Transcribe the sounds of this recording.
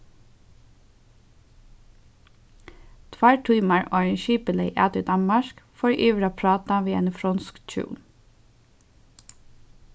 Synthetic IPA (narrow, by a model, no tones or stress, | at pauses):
t̪ʰʋɑɹʈʰyːmɑɹʔɔɹənʃyːpəleɪʔæːt̪əd̪ɑnmɑʃkfɔɹʔyːʋɾɑpʰɹɑːt̪ɑʋiːḛːnfɾɔnskt͡ʃʉ̰ːn